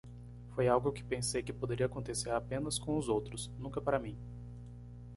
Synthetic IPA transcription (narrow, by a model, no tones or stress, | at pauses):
fojawɡʊkɪ̥pẽsejkɪpod̪eɾiakõnt̪eseɾapẽnɐskõʊzowt̪ɾʊsnũkɐpaɾɐmĩ